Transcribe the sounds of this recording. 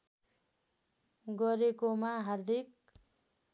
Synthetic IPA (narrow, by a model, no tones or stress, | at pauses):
ɡʌɾekomaɦʌrd̪ʱik̚